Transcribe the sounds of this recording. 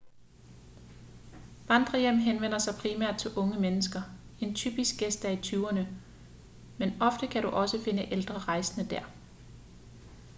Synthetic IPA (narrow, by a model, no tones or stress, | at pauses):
ʋɑnd̥ʁɐjem̰ɦenʋen̰ɐsɑ̈ɪpʰʁimæɐ̰d̥̚t͡sʰe̝lʔɔ̽ŋəmenəsɡ̥ɐe̝nt͡sʰy̰ːb̥isɡ̥ɡesd̥æɐit͡sʰyːɐnə | menɒ̽fd̥əkʰæɾuʔɒ̽səfe̝nəʔeld̥ʁɐʁɑ̈ɪsənəd̥æɐ̰